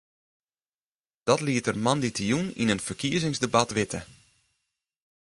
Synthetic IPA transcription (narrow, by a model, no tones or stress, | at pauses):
d̥ɔtliətərmɑnditʰijunḭnənfərkiəzɪŋzdəbatʋɪtə